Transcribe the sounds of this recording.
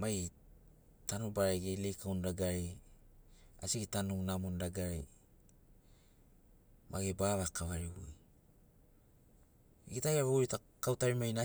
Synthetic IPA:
maj | tanubaɾeɡelejkʰawndaɡaɾe | a̰siɡitanunamundaɡaɾḛ | mʔa̰ɡebaβakaβaɾiβuj | ɡitaɡeβoɾita | kawtaɾimajna

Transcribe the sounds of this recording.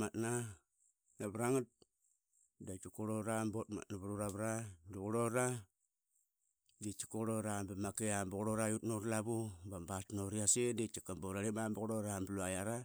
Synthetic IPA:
matna | naβɾaŋat̚ | dat͡ʃukoɾoɾambotma̰tnaβuɾuɾaβɾaduɣuɾoɾa | det͡ʃi̥koɾoɾambamakeambuɣuɾoɾajutnoɾlaβubambatnoɾiasendet͡ʃikamboɾaɾemambuɣuɾoɾambluajaɾa

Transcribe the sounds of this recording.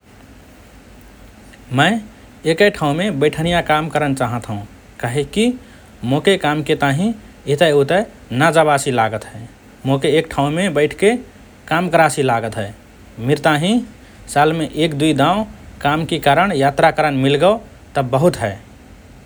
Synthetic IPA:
məɪ | ekəjʈʰaʊ̃mebəɪʈʰənijakamkəɾənt͡ʃaɦət̪ɦũ | kaɦeki | mokekamket̪aɦĩ | et̪əjut̪ə | nad͡ʒabasilaɡət̪ɦɛe | mokeːk̚ʈʰãmebəɪʈʰke | kamkəɾasilaɡət̪ɦɛ | miɾt̪aɦĩ | salmeʔekd̪uid̪ãʊ̃kamkekaɾəɽ̃jat̪ɾakəɾənmilɡəo | t̪əbəɦut̪ɦɛɪ

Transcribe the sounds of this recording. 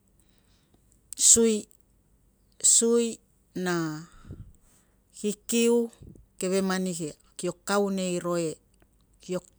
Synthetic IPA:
suj | suj | na | hikiuke̞βe̞manihe | kio̞kːawne̞jɾo̞e̞ | kio̞

